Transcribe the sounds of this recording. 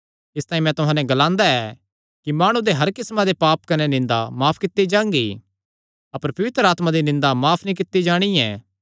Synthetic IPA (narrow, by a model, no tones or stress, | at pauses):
ɪst̪aːĩmɛ̃t̪ʊɦãːnɛ̃ɡɐlãːnd̪aɛ | kimaːɽ̃ud̪eɦɐɾkɪsmãd̪epaːpkɐnenɪ̃nd̪a̰maːpʰkɪt̪ːid͡ʒãːŋɡi | ɐpəɾpɐʋɪt̪ɾəaːt̪mad̪inɪ̃nd̪amaːpʰnĩkɪt̪ːid͡ʒaːɽ̃ijɛ̰̃ː